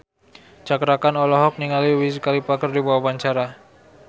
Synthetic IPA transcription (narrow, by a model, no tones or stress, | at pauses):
t͡ʃakɾakanɔlɔɦɔk̚niŋaliwiskalipakərdibawapaɲt͡ʃaɾa